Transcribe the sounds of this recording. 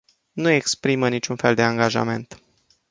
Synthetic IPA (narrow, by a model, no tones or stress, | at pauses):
nue̞kspɾimənit͡ʃʲunfe̞ld̪e̞aŋɡaʒa̰me̞nt̪